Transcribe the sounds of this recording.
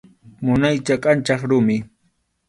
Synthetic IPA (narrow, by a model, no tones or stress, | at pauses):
mʊnajt͡ʃakʼant͡ʃɑχɾʊmɪ